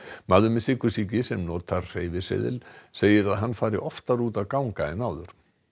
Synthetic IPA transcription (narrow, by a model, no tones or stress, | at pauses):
maðʏmɪsɪkʏsicɪsɛmnɔːt̪ʰaɾr̥eːjvɪsḛðɪ̰lseːjɪɾaðɦanːfaːɾɪ̰ʔɔft̪aɾuːt̪aðkawŋkaɪnaːwðʏɾ̥